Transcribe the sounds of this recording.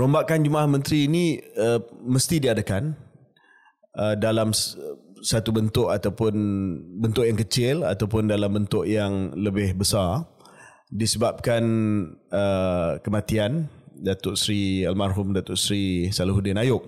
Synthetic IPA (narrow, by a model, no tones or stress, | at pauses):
ɾombaʔkand͡ʒumahmə̃nt̪ɾiːniəməst̪idiadakan | ədalam | sat̪ubənt̪ʊʔat̪awpʊnbənt̪ʊʔjaŋkət͡ʃɪla̰t̪awpʊndalambənt̪ʊʔjaŋləbɪhbəsar | disəbap̚kan | əkəmãt̪iandat̪ʊʔsɾialmarɦʊmdat̪ʊʔsɾisaluɦudɪnajʊk̚